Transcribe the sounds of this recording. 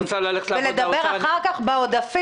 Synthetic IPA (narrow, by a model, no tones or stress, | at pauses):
t͡salaleveled̪abeʁaχaʁkaχbeod̪afi